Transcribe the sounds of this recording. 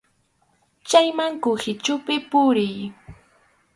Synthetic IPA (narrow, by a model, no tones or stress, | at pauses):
t͡ʃajmaŋkʊhɪt͡ʃʊpɪpʊɾɪj